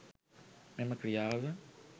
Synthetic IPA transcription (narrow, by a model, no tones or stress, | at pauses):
memɐkɾiaðɐ